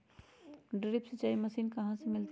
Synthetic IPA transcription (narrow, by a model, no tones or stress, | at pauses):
ɖɪɾɪpsət͡ʃaːimɐsiːnkɐɦãsemɪlt̪